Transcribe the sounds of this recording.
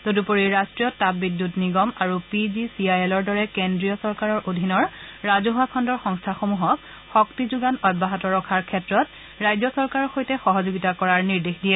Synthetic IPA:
dodupoɹiɹastɹijɔtabbːidːutniɡɔmaɹupizisiajɛlɔɹdɔɹɛkendɹijɔsɔɹkaɹɔɹʔodʱinɔɹɹazoɦakʰɔndɔɹxɔŋstʰaxomuɦɔk | xɔktizuɡanɔjbːaɦɔtɔɹɔkʰaɹkʰɛtɹɔt̚ | ɹajzɔsɔɹkaɹɔxojtɛxɔɦɔzoɡitakɔɹaɹniɹdexdijɛ

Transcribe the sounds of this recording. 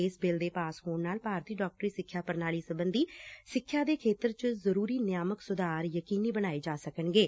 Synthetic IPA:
eːsbɪld̪eːpaːshoːɳnaːlpaːɾt̪iːɖɔːk̚ʈɾiːsɪkʰːjaːpəɾnaːliːsəbənd̪iːsɪkʰːjaːd̪eːkʰeːt̪əɾt͡ʃəzəɾuːɾiːnɪjaːməksʊd̪aːɾjəkiːniːbənaːeːd͡ʒaːsəkənɡeː

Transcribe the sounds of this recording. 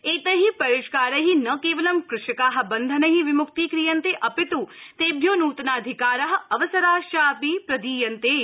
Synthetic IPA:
eːt̪ɐɦipɐɾiʃkaːɾɐɦinɐkeːʋɐlɐmkɾɪʂɐkaːɦɐ̆bɐnd̪ʱɐnɐɦiʋimʊkt̪iːkɾijɐnt̪eːʔɐpit̪ut̪eːbʱjoːnuːt̪naːd̪ʱikaːɾɐɦɐ̆ɐʋɐsɐɾaːʃaːpiːpɾɐd̪iːjɐnt̪eː

